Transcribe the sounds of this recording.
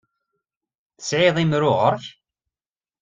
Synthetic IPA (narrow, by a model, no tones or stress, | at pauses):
θə̥sʕiðˤimɾʊʁəɾˤç